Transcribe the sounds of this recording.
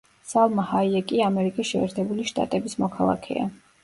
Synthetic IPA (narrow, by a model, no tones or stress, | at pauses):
salˠmahaiɛkʼiamɛɾikʼisʃɛɛːɾt̪ʰɛbuliʃt̪ʼa̰t̪ʼɛbismɔkʰalˠa̰kʰɛ̰a̰